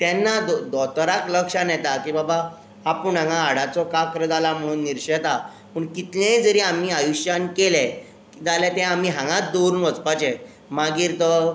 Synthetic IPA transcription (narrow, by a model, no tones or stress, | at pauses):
t̪ɛnːad̪ɔd̪ɔt̪ɾakləkʂanjɛt̪akibabaː | pəɳə̃ŋɡãːɽat͡sɔkakəɾəd͡zalam̤əɽ̃uːnːiɾɕet̪a | pəɳkit̪lẽd͡zəɾiamiːajuɕjankelɛ | id͡zalɛt̪ɛ̃am̤iːɦãŋɡãt̪̚d̪oɾuːnʋət͡spat͡ɕẽ | maɡiːɾt̪ə